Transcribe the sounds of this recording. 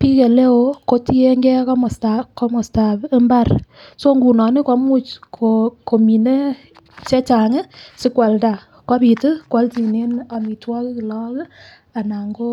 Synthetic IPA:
pi˦ke˨le˦o˦ko˦ti˦e˦ŋɡɛ˦kɔ˦mɔ˨sta˨ko˦mɔ˨sta˨bɪ˦mba˦˨rso˦ŋɡu˨nɔ˨nɪ˦ka˨˦mu˦t͡ʃkʰoko˨mi˨ne˦ | t͡ʃɛ˦t͡ʃa˨ŋe˦sɪ˦kwa˨lda˨ | ka˦pi˨tɨ˦kwa˨˦lti˨ne˦na˨mi˨twɔ˦kkɪ˨lɔ˦kɪ˦ | a˨na˨ŋɡo˦

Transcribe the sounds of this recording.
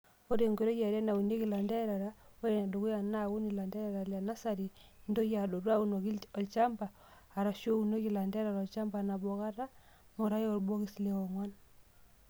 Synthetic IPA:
o˦ɾe˨ŋɡe˨ɾo˦ja˨ɾa˦na˨u˨ne˦ki˨la˨nda˦ɾa˨ɾa˦o˦ɾe˨na˨do˨ku˦ja˨na˦wu˦ni˨la˨ndɛ˦ɾa˨ɾa˨lja˨na˦sa˨ɾi˨ndo˦ja˨do˨ɾwa˦u˦no˨ki˦ɔ˨lt͡ʃa˦mbaː˨ | ɾa˨ʃo˦u˨ne˦ki˨la˨nda˦ɾa˨ɾɔ˨lt͡ʃa˦mba˨na˨bɔ˨ka˦ɾa˦ | mo˨ɾa˦jo˦˨ɾbwo˦ki˨sle˨ɔ˨ŋwa˦n

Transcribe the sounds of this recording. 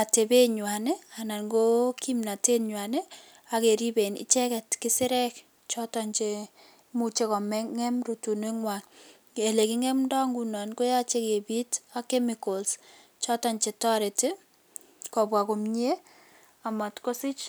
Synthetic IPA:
a˨te˨be˦ɲwa˨ne˦a˨na˨nɡo˦ki˦mna˨te˦ɲwa˨ne˦ | a˨ke˨ɾi˦be˨nɪ̰˨˦t͡ʃɛ˦kɛ˨tkɪ˦sɪ˦ɾɛ˦k | t͡ʃɔ˦ta˨nt͡ʃe˨ | mu˨t͡ʃe˦kɔ˨mɛ˦ŋɛ˦mro˨tu˨ne˦ŋwa˨ŋ | e˨le˨ki˦ŋɛ˦mdɔ˦ŋɡu˨na˨nko˦ja˦t͡ʃe˦ke˨bi˦ta˦kɛ˦mɪkɔ˨ls | t͡ʃɔ˦ta˨ɲt͡ʃe˨tɔ˦ɾe˨te˦ | kɔ˨bwa˨ko˨mɲ˦e˦ | a˨mɔ˨tko˦sɪ˦t͡ʃ

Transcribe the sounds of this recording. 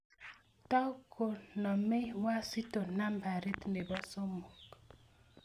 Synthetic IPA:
ta˦u˦kʰo˨nɔ˨me˦wa˦si˦to˨na˦mba˨ɾe˦t̪nde˨bɔ˦so˦mo˨k

